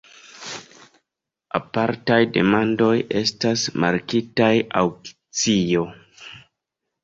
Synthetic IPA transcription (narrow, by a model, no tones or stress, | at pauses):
a̰paɾtajde̞̰mando̞je̞stasma̰ɾkitaja̰wk | t͡sijo̞